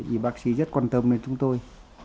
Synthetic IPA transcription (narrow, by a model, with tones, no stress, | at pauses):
t͡ɕi˨˩ɓaː˦˥k̚sḭ˧˥zə˦˥t̚kwaː˧˩nt̪ə˧mne˧˩nt͡ɕʊ˨˧˦ŋ͡mt̪o˧j